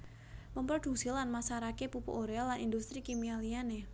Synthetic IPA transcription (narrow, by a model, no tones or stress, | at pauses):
məmpɾod̥ṳsilanmasaɾakepupṵʔoɾealanindust̪ɾikimialiane